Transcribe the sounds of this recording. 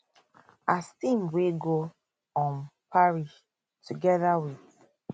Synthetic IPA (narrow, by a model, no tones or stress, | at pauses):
astĩmweɡo | ɔ̃npʰaɹiʃ | tʰuɡɛðawiθ